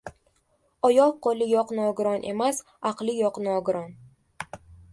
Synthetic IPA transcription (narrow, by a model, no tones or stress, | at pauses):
ɒjɒʁqʰolˠɪjɒqnɒɡʊɾɒnʔe̞̰mas | ɑqlˠɪjɒqnɒɡʊɾɒn